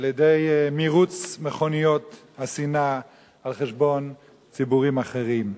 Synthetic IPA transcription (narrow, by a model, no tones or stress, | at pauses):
aljedejmiʁut͡smeχo̞nijo̞thasina | alχeʃbo̞n | t͡sibuʁimaχeʁim